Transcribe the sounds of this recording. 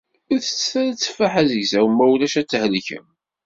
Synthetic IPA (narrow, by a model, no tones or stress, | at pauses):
iθə̥t͡sːθæɾæt͡sːfaħæzəʝsæwəmːæwlæʃæt͡sːhəlçə̰m